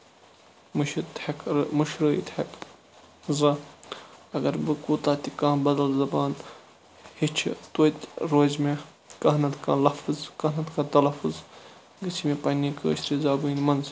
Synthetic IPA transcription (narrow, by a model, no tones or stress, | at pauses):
mʃt̪ɐkɾmuʃɾɨḭt̪hɐk | zɐ | ɐɡɐɾbɨkuːt̪aːt̪ikãːbɐd̪ɐlzɐbaːn | hit͡ʃʰt̪oːt̪ɾoːzme | kɐɦnɐt̪kã̰ːlɐfɨzkɐnɐt̪kɐ̃ːt̪ɐlɐfuz | ɡɨt͡sʰimepɐnikə̰ːʃt̪ɾizaːbɨinmɐnz